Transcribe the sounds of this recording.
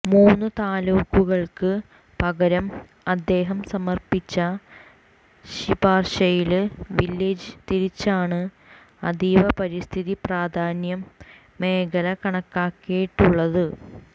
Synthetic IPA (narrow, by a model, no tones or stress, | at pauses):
muːnːɨt̪aːluːkːuɣɐɭkɨ | pɐɣɐɾɐm | ɐd̪ːe̞ːɦɐmsɐmɐrpit͡ɕːɐ | ɕibaːrɕɐjilʋilːed͡ʑɨt̪iɾit͡ɕːaːɳɨ | ɐd̪iːʋɐpɐɾist̪ʰiðipraːd̪ʱaːnjɐmː | e̞ːɡɐlɐkɐɳɐkːaːkːejiʈːuɭːɐðɨ